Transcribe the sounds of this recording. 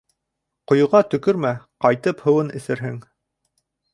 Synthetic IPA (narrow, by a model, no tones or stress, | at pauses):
qŏjŏʁɑt̪ɵ̆kɵɾmæqɑjt̪ɤphɤ̆wɤnɘ̆θɘ̆ɾɦɘŋ